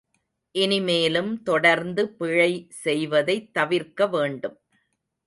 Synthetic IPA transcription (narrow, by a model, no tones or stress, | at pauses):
ʔɪnɪmeːlɯmt̪ɔɽɐɾnd̪ɯpɪɻɐɪsɛjʋɐðɐɪt̪ːɐʋɪɾkɐʋeːɳɖɯm